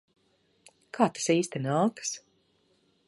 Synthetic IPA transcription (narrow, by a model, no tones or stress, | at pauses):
kʰaːt̪ḁsiːst̪inaːkɨ̥s